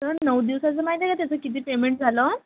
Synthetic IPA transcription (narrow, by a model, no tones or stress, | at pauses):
t̪əɾnəʋd̪iʋsat͡səmaɦid̪ʰʱjəkat̪jat͡səkit̪̬iːpemeɳʈ̚d͡zʱalə